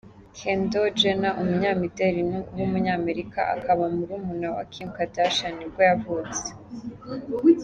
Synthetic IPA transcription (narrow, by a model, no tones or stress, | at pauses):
kʰendod͡ʒenaʔumuɲaːmiteɾinuwumuɲaːme̞ɾika̰ʔa̰kʰaβamuɾuːmunawa̰kʰimkataʃanibɡojavut͡se̥